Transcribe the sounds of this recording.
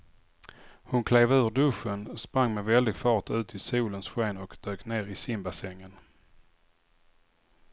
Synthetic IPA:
hʊnkʰleːvʉ̟ːɖɵʂənspɾaŋːmɛvɛld̪ɪɡfɑːʈʉ̟ːt̪ʰɪsuːlənsɧeːnɔkd̪̥øːkneːɾɪsɪmbasɛŋːən

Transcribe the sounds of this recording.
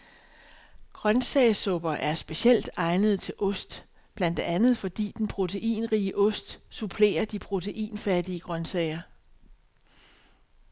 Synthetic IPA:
ɡ̥ʁɶnsɛɪsɔ̽b̥ɐʔæɐsb̥e̝siel̰d̥ɑ̈ɪnəð̞̩ˠt͡sʰe̝lʔɔ̽sd̥ | b̥læn̰d̥eænð̩ˠfɒ̽d̥ḭːd̥enpʰʁo̝t͡sʰe̝ʔḭːnʁiːəʔɔ̽sd̥supʰle̝̰ːɐd̥ipʰʁo̝t͡sʰe̝ʔḭːnfæd̥iəɡ̥ʁɶnsɛɪɐ

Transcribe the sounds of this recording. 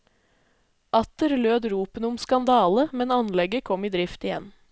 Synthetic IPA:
ʔɑt̪əɾløːd̪ɾuːpənəʊmskɑnd̪ɑːləmɛnɑnlɛɡəkʰɔmiːd̪ɾɪft̪ɪjɛ̰n

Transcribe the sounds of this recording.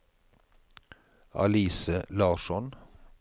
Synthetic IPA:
ʔɑ̰liːsəlɑːʃɔn

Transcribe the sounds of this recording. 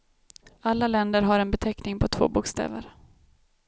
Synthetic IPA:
alːalɛnd̪əɾɦaɾɛnbɛt̪ʰɛknɪŋpʰɔt̪ʰvo̰ːbʊkst̪ḛːvə̰ɾ

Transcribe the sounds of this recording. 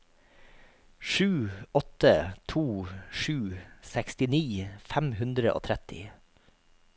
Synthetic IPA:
ʃʉːɔt̪ət̪ʰuːʃʉːsɛkst̪ɪniːfæmhʉnd̪ɾəʔo̰ːt̪ʰɾɛt̪ɪ̰

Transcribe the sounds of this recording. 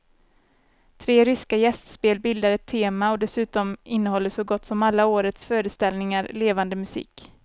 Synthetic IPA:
t̪ʰɾeːɾʏskajɛst̪speːlbɪld̪aɾɛt̪ʰːeːmaɔd̪ɛsʉ̟ːt̪ɔmɪnːəhɔlːəʂɔɡɔt̪ːsɔmalːaoːɾət̪sfœːɾəst̪ɛlnɪŋaɾleːvand̪əmɵsḭːk

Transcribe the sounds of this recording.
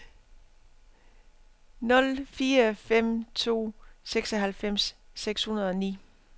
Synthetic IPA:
nɔ̽lfiːɐfem̰t͡sʰo̝̰ːseɡ̥sɒɦælfem̰sːeɡ̥shunɐð̞ˠɒ̽nḭː

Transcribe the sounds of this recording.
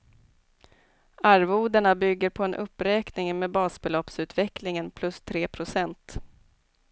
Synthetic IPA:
aɾvuːd̪əɳabʏɡːəɾpʰɔɛnʔɵpːɾɛːknɪŋmeːbɑːsbɛlɔpsʉ̟ːt̪vɛklɪŋənpʰlɵst̪ʰɾeːpʰɾʊsɛnt̪

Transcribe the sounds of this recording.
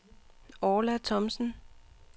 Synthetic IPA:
ɒːlæt͡sʰɒ̽msn̩

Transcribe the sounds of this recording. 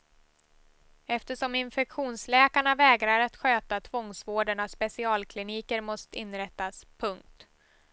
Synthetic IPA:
ɛft̪əʂɔmɪnfɛkɧuːnslɛːkaɳavɛːɡɾaɾat̪ɧøːt̪at̪ʰvɔŋsvoːɖəɳaspɛsɪɑːlkʰlɪniːkəɾmɔst̪əɪnːɾɛt̪ːaspʰɵŋk̚t̪

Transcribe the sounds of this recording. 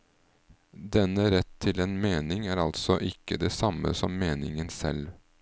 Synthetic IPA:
d̪ɛnəɾɛt̪ʰːɪleːnmeːnɪŋæːɾɑlt̪sɔʔɪkːəd̪eːsɑmə̰sɔmːeːnɪŋənsɛ̰l

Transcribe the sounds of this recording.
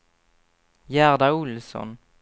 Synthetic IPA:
jæʁd̪aʊlsɔ̰n

